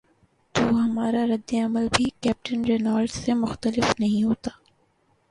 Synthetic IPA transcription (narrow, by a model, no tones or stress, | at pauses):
t̪oːɦɐmaːɾaɾɐd̪ːeɐməlbʱikɛːp̚ʈənɾeːnaːɾɖsemʊxt̪əlɪfnɐɦĩɦoːt̪aː